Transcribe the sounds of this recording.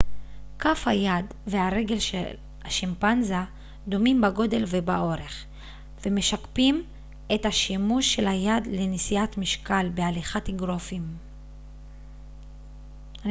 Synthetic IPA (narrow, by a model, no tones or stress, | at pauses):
kafhajad | veaʁe̞ɡe̞lʃḛl | haʃimpanza | d̪o̞mimbaɡo̞de̞lvebaʔo̞ʁe̞χ | veme̞ʃakpim | e̞thaʃimuʃːe̞lajad̪lenisijatmiʃkalbealiχatiɡʁo̞fim